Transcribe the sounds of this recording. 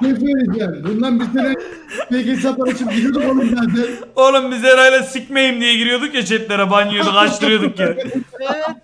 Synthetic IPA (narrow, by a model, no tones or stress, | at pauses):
eseɾid͡ʒanbund̪anbiɾsenɛ | pelcit͡ʃapaɾat͡ʃʰɯp̚ɟiɾijod̪ukolˠumzat̪ɛnolˠumbizlʲeɾajlʲˠasic̚mejimd̪ijɛɟiɾijo̞d̪ukjet͡ʃʰɛt̪̚ʲlʲeɾɛbanijod̪ukˠaʃt̪ɯɾɯjo̞d̪uk̚ci